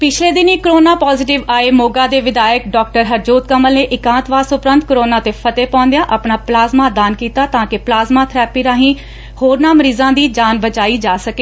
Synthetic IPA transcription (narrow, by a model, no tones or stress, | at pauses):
pɪt͡ʃʰleːd̪ɪniːkəɾoːnaːpɔːzɪʈɪʋaːeːmoːɡãːd̪eːʋɪd̪aːəkɖɔːk̚ʈəɾɦəɾd͡ʒoːt̪̚kəməlneːʔɪkãːt̪ʋaːsʊpɾə̃nt̪̚kɾoːnaːt̪eːpʰət̪eːpɔ̃ːnd̪ejãːʔapɳaːplaːzmaːd̪aːnkiːt̪aːt̪ãːkɪplaːzmaːt̪ʰɾɛːpiːɾaːɦĩː | hoːɾnaːməɾiːzãːd̪iːd͡ʒaːnbət͡ʃaːiːd͡ʒaːsəkeː